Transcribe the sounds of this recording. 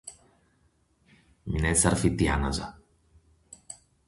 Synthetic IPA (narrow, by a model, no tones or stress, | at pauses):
minesɐɾfit̪ianɐ̰zɐ̰